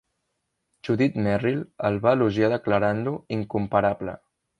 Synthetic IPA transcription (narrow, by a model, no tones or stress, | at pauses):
ʒuðit̪mɛriləlˠβaːluʒiaðəkləɾanluiŋkumpəɾaβlə̰